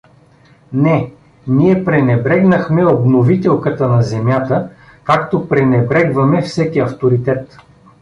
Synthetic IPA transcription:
nɛ | niɛpɾɛnɛbɾɛɡnəxmɛobnovit̪ɛlˠkət̪ənɐzɛmjat̪ə | kakt̪opɾɛnɛbɾɛɡvɐmɛfsɛkiɐft̪oɾit̪ɛt̪

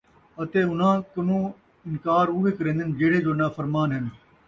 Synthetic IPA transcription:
ət̪eːʊn̤ãːkənũː | ɪnkaːɾʊːʋeːkəɾẽːnd̪ɪnd͡ʒeːɽeːd͡ʒoːnaːfəɾmaːnɦɪn

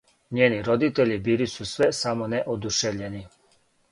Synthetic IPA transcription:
ɲeːniɾo̞d̪it̪eʎibilisusʋesamoneʔod̪uʃeʋʎeni

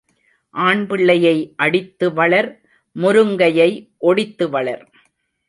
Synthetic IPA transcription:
ʔaːɳbɪɭːɐjɐɪʔɐɽɪt̪ːɯʋɐɭɐɾ | mʊɾɯŋɡɐjɐɪʔɔɽɪt̪ːɯʋɐɭɐ̰ɾ

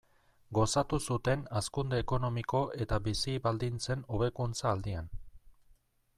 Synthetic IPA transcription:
ɡo̞sat̪usut̪e̞naskund̪e̞ːko̞no̞miko̞ʔe̞t̪aβisiβald̪int͡se̞no̞β̞e̞kunt͡saːld̪ian

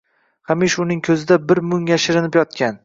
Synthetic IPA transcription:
hamiʃʊnɪŋkʲʰɵzɪd̪abɪɾmʊŋjaʃɪɾɪnɪpjɒt̪̚kʲan

